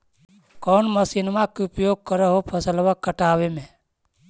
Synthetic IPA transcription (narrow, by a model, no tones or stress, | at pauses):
kɔːnməsinmãkiʊpjoːɡ̚kəɾəɦopʰəsəlʋakəʈaːʋemẽ